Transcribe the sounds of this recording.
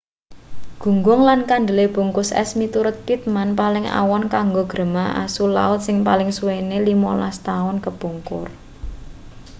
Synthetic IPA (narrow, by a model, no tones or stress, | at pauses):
ɡ̥ṳŋɡʊŋlankand̪ə̤leb̥ṳŋkʊsɛ̰smit̪uɾʊt̪̚pit̪̚manpalɪŋa̰wɔnkaŋɡoɡ̥ɾə̤maʔa̰sula̰ʊt̪̚sɪŋpalɪŋsuwenelimolast̪aʊnkəb̥uŋkʊ̰r